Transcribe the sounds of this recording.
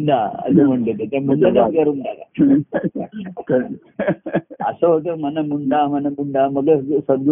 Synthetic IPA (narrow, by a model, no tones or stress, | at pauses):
ɳɖaə̰səm̤əɳt̪et̪et̪amuɳɖat̪akaɾundala̰ | kə | ə̰səɦot̪̬əm̤ənamuɳɖamənamuɳɖaməɡesəd̪̚ɡu